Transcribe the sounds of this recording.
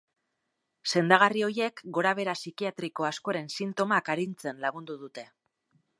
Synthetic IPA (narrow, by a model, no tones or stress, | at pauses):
se̞nd̪aɣ̞ario̞je̞kɡo̞ɾaβ̞e̞ɾasikiat̪ɾiko̞asko̞aɾe̞nsint̪o̞makaɾint͡se̞nlaɣ̞und̪uðut̪e̞